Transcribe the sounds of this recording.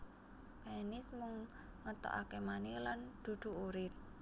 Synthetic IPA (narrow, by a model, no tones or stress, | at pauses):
penɪsmuŋ | ŋət̪ɔ̰ʔakemaniland̪̥ṳd̪̥ṳuɾɪt̪̚